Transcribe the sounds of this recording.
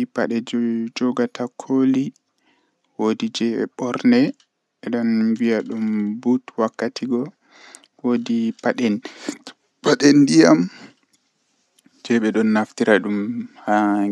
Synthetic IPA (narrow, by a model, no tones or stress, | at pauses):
paɗɛd͡ʒɔɡatʰakʰoli | wodid͡ʒɛɓɛ̰ɓɔɾnɛ | ɛɗɔnbiaɗumbutwakːatʰiɡɔ | wodipaɗɛn | paɗɛndijam | d͡ʒɛɓɛɗɔnːaftiɾaɗumha